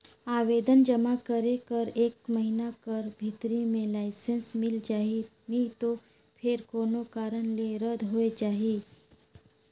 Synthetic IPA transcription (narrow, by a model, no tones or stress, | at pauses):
aʋed̪ənd͡ʒəmakəɾekəɾeːkməɦinakəɾbʱit̪ɾimẽlaɪsensmɪld͡ʒaːɦi | nit̪o | pʰeɾkoːnokaːɾəɳleɾəd̪ʱɦoed͡ʒaːɦiː